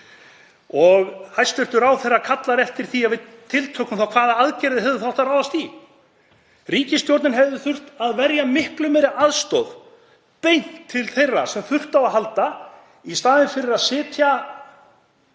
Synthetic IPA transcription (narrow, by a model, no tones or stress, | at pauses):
ɔɣhajst̪ʏht̪ʏɾawθɛjrːakʰat̪laɾɛft̪ɪɾ̥θiavɪt̪ʰːɪlt̪ʰœkʏmθawkʰvaːðaaðcɛɾɪðɪɦɛvðɪθawht̪ːaɾaːwðast̪i | riːcɪst̪jowɾt̪nɪnɦɛvðɪθʏr̥t̪aðvɛɾjamɪhklʏmɛɾɪaðst̪ɔ̰ð | pejnt̪ʰːɪlθejrasɛmθʏr̥t̪awaðɦalt̪a | ist̪aːðɪnfɪɾɪɾaðsɪːt̪ʰja